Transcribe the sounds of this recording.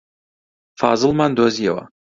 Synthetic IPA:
faːzɨlˠmand̪ozijɛwɐ̰

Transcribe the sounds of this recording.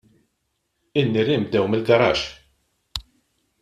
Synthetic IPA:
ɪnːiɾɪmb̚d̪ɛwmɪlɡɐɾɐ̰ːʃ

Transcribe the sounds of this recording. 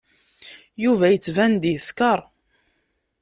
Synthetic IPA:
juvæjət͡sːvænd̪iskɑɾˤ

